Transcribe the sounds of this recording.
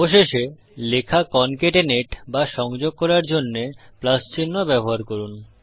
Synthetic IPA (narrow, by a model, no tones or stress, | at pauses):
boʃeʃe | lekʰakɔnkeʈeneʈbaʃɔŋd͡ʑoɡ̚kɔɾaɾd͡ʑonːeplast͡ɕinːobɛboɦaɾkoɾun